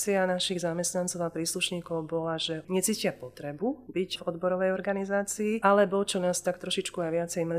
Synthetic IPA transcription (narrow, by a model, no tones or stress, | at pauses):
t͡sianaʃiɣzamɛst̪nant͡sɔʊapɾiːsluʃɲiːkɔʊbɔlaʒɛɲɛt͡siːcɪapɔt̪ɾɛbubicvɔd̪bɔɾɔʋɛjɔɾɡanizaːt͡siːalɛbɔt͡ʃɔnaːst̪akt̪ɾɔʃit͡ʃkuajʋɪat͡sɛjm